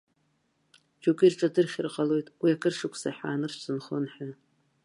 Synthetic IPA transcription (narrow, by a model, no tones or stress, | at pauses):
d͡ʒokʼirʈ͡ʂʼadɨrχʲrqʼalo̞jtʼwiakʰɨrʂɨkʷʰsaħa̰ːnɨrt͡sɨnχonħᶣa